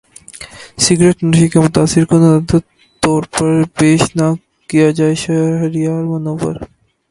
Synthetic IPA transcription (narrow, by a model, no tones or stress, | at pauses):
siɡɾeʈnuʃikemot̪aːsːiɾkɔnad̪ | t̪ɔɾpəɾbeʃna | kijad͡ʑaeʃɐɦɐɾijaɾmɐnobə̰ɾ